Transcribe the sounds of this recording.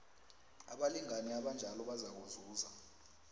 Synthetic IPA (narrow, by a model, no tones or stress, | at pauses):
aɓaliŋaniaɓand͡ʒʱalɔɓazak̬uzuːza